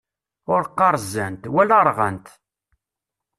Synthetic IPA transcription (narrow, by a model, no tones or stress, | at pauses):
ʊɾqːɑɾˤzænt̪wælaɾˤʁə̰nt̪